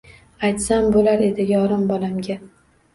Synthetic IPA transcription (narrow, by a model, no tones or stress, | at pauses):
ajt̪sambolaɾe̞d̪ɪjɒɾɪmbɒlamɡʲa